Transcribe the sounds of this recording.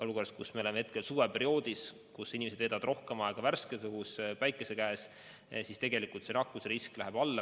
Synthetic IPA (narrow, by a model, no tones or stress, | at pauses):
o̞luko̞rskusmeolemeet̪̚ke̞lsuːɾepe̞ɾio̞ːd̪̥is | kusinʲimesed̪veːd̪ɑd̪ro̞hkemɑeɡ̥ɑværskesɤɦuspæjkːˑese̞kæːs | sist̪e̞ɡe̞likːˑult̪senɑkːˑusɾisklæɦeb̥ɑlːɑ